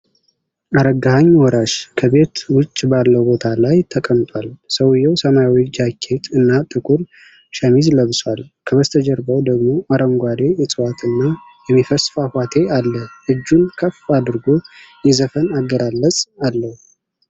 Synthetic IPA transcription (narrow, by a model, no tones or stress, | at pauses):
ʔaɾəɡahaɲːwɔɾaʃkʰəbe̞t̪wʊt͡ʃʼːbalːəwbo̞t̪ʰalajt̪ʰəkʼəmt̪ʼwalsəwjːɛwsəmajwɔd͡ʒakʰːe̞t̪ɨnːat̪ʼɨkʼuɾ | ʃəmizləβswalkʰəβəst̪ʰəd͡ʒɛɾbəwd̪əɡmo̞ʔaɾəŋɡʷad̪e̞jɛsʼɨwat̪ɨnːa | jɛmːifəsfahwat̪ʰe̞alːəɨd͡ʒːunkʰəfad̪ɨɾɡo̞jɛzəfənaɡːəɾalːəsʼalːəhu